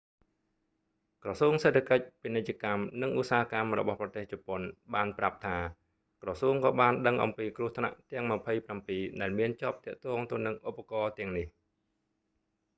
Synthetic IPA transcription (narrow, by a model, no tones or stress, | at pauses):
krɑsuəŋseːt̪ʰakəc̚pinɨc̚t͡ɕə̆kamnɨŋʔusaːkamrɔ̰ɓɑhprɑt̪eːht͡ɕɔponɓaːnprap̚t̪ʰaː | krɑsuəŋkɑːɓaːnɗəŋʔɑ̰mpiːkruəht̪ʰna̰ʔt̪ɛ̆əŋməpʰəjprampiːɗaɛlmiənt͡ɕŏəp̚t̪ɛ̆əʔt̪ɔːŋt̪əwnɨŋʔupːakɑːt̪ɛ̆əŋnih